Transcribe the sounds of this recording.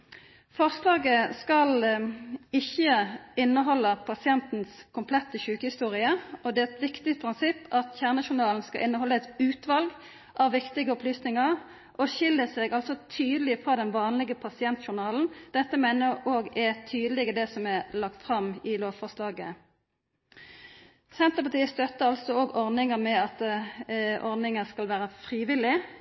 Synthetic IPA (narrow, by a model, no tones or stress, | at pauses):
fɔʁslɑːɡəskɑl | ɪçːəɪnːəɦɔlːəpʰɑsɪɛnt̪n̩skʰʊmpʰlɛt̪ːəɕʉːkəhɪst̪uːʁɪəɔd̪ɛːɛt̪ʋɪkt̪ɪt̪̚pʰɾɪnsɪpːɑt̪çæːʁnəʃʊnɑːln̩skɑ̰lʔɪnːəɦɔlːəɛt̪ʉːt̪ʋɑlɡ | ʔɑʋːɪkt̪ɪɡəɔplyːsnɪŋɑʁ | ʔɔçɪlːəsɛɡɑlsɔt̪ʰyːd̪əlɪfʁɑːd̪ɛnʋɑːnlɪɡəpʰɑsɪɛnt̪ʃʊnɑːln̩d̪̥ɛt̪ːəmæɪnəɾoːɡɛt̪ʰyːd̪əlɪɡəd̪ɛsɔmɛlɑkt̪fʁɑmɪloːʋfɔʁslɑːɡə̰ | sɛnt̪ʁəpɑt̪iːst̪œt̪ːəʁɑlsɔoːɡɔʁd̪nɪŋəmɛɑt̪ | ʔɔʁd̪nɪŋəskɑlʋæːɾəfʁiːʋɪlɪ